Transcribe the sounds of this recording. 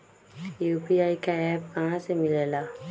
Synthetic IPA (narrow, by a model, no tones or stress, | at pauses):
jupiajkaɛp̚kããsemilela